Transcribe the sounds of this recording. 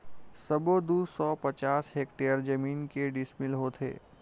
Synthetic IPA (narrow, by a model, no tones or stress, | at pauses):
səbod̪uːsɔpət͡ʃaːsɦek̚ʈejəɾd͡ʒəmiːnkeɖɪsmɪlɦoːt̪ʰḛː